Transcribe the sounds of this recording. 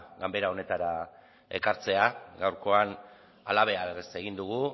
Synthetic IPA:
ɡambe̞ɾao̞ne̞t̪aɾa | e̞̰kaɾt͡se̞aɡawɾko̞an | alaβ̞e̞arese̞ɣind̪uɣu

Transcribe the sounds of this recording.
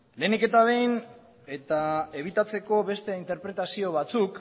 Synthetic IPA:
leːnike̞t̪aβ̞e̞jn | e̞t̪ae̞β̞it̪at͡se̞ko̞βe̞st̪e̞int̪e̞ɾpɾe̞t̪asio̞β̞at͡suk

